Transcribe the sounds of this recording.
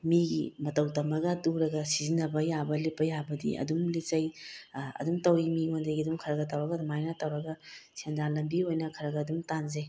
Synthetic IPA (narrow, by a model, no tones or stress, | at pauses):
miɡimɐtɐwtɐmɐɡɐtuɾɐɡɐsizinɐbɐjabɐlipːɐjabɐdḭʔɐ̰dumlit͡ʃɐjɐ̰dumtɐwimiondɐjɡiɐdumkʰɐɾɐɡɐtɐwɾɐɡɐdmajnɐtɐwɾɐɡɐsendalɐmbiojnɐkʰɐɾɐɡɐːdumtanze